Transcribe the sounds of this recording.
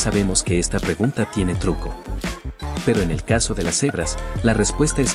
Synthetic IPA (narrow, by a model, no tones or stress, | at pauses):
saβe̞mo̞ske̞est̪apɾe̞ɣunt̪at̪je̞ne̞t̪ɾuko̞ | pe̞ɾo̞ene̞̰lkaso̞ðe̞lase̞βɾaslare̞spwe̞st̪aes